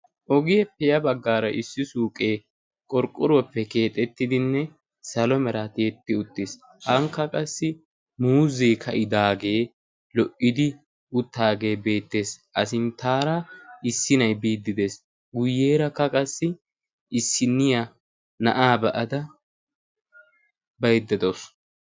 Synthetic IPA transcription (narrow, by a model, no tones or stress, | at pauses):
ʔɔɡɪjɛpɛjɐbɐɡːaːɾɐʔɪsːɪsuːkʼeː | kʼɔɾkʼːʊɾwɔpːɛke̞ːt̪ʼɛt̪ːɪd̪ɪnːɛ | sɐlɔmɛɾat̪eːt̪ːɪʊt̪ːɪs | hɐŋkːɐkʼɐsːɪ | muːzeːkʰɐʔɪd̪aːɡe̞ː | lɔʔːɪd̪ɪ | ʊt̪ːaːɡe̞ːbe̞ːt̪ːe̞ːsʔɐsɪnt̪aːɾɐɪsːɪnɐjbiːd̪ːɪd̪e̞ːs | ɡʊjːeːɾɐkːɐkʼɐsːɪ | ɪsːɪnːɪjɐ | nɐ̰ʔaːbɐʔɐd̪ɐ | bɐjd̪ːɛd̪os